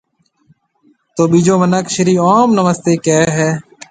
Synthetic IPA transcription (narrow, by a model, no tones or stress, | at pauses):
t̪oːɓiːd͡ʒoːmənəkʃɪɾiːoːmnəməst̪eːkeːɦɛː